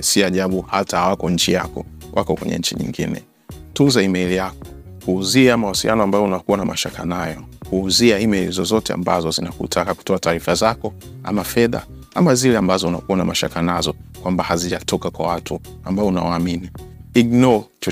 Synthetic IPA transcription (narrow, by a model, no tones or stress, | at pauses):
siaʄaɓuhatahawakɔɲ̩t͡ʃija̰kɔ̰wʔa̰kɔkwɛ̰ɲɛ̰ɲ̩t͡ʃḭɲḭŋɡḭnɛ̰ | tuzaimɛilijakɔ̥ | kuːziamawasilijanɔambajɔunakuwanamaʃakanajɔkuːziaimɛlizɔzɔtɛa̰mba̰zɔzinakṵtʰakaku̥tɔataːɾifazakɔ | a̰mafɛða̰ | amazilɛambazɔuna̰kuwanamaʃa̰kanazɔkwambahaziʄatɔkakwawatʰuambaɔuna̰waːminiiɡ̚nɔt͡ʃ